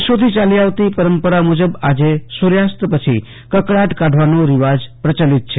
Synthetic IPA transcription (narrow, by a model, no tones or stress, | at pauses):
ʃot̪ʰit͡ʃaliaʋt̪ipəɾəmpəɾamud͡ʒəbad͡ʒesuɾjast̪əpət͡ʃʰi | kəkɽaʈkaɖʱʋanoɾiʋad͡ʒpɾət͡ʃalit̪̚t͡ʃʰe